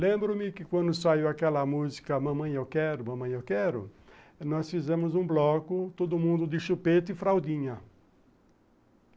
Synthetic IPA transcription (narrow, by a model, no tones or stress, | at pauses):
lẽmbɾʊ̃mɪkɪkwɐ̃nd̪ʊsaiwakɛlɐmuzikɐmɐ̃mɐ̃j̃ewkɛɾʊmɐ̃mɐ̃j̃ewkɛɾʊ̰ | nɔsfizẽmʊzũblɔkʊt̪od̪ʊmũnd̪ʊd̪ɪʃupet̪ɪfɾawd̪ĩɲɐ